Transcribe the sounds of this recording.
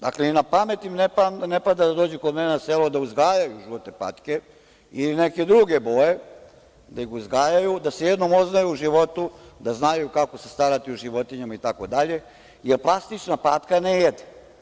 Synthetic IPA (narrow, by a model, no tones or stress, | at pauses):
d̪a̰kleinapamet̪imnepanepad̪ad̪ad̪oːd͡ʑukod̪menaselod̪auzɡaːjajuʒiʋot̪epa̰ːt̪ke | ilineke̞d̪ɾuɡe̞bo̞je | d̪aixuzɡaːjajud̪asejed̪nomoznajuːʒiʋo̞t̪ud̪aznajukako̞se̞̥st̪aɾat̪iuʒiʋo̞t̪iɲamait̪ako̞d̪aʎe̞ | jeɾplˠast̪it͡ʃnapaːt̪kanejed̪e